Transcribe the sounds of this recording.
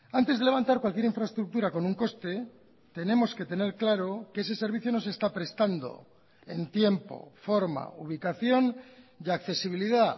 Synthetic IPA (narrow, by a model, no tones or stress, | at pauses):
ant̪e̞zðele̞βant̪aɾkwalkjeɾiɱfɾaest̪ɾuk̚t̪uɾako̞nuŋko̞st̪e̞ | t̪e̞ne̞mo̞ske̞t̪e̞ne̞ɾklaɾo̞keese̞se̞ɾβiθjo̞no̞se̞st̪apɾe̞st̪and̪o̞̰ | e̞nt̪je̞mpo̞̰fo̞ɾma̰uβ̞ikaθjo̞njakθe̞siβ̞iliða